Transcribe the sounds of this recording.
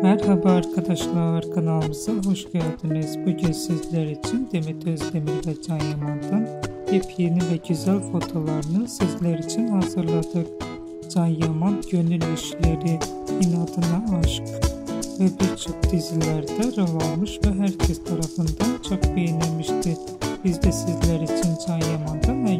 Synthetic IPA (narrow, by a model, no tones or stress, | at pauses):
mæɾɦæbɛɑɾkʰɑd̪ɑʃlˠɑɑɾkʰɑnɑlˠɯmɯzɑɦoʃɡøɾd̪inɯzbuɟynsizlæɾit͡ʃʰind̪emit̪ʰøzlemiɾvɛd͡ʒɑnjɑmɑnd̪ɯnhepʰjenivɛɟøzælfo̞t̪ʰo̞lˠɑɾɯnɯsizlæɾit͡ʃʰinhɑzɯɾlˠɑd̪ɯq | d͡ʒɑnjɑmɑnɟø̞nyliʃleɾi | inɑd̪ɯnɑːʃɯqvɛbiɾt͡ʃʰo̞χd̪izilæɾd̪æɾɯlˠɑlˠmɯʃvɛɦæɾcʰest̪ʰɑɾɑfɯnd̪ɑnt͡ʃʰoχbejinæmiʃd̪i | b̥izd̪æsizlæɾit͡ʃʰind͡ʒɑnjɑmɑnd̪ɑnvɛ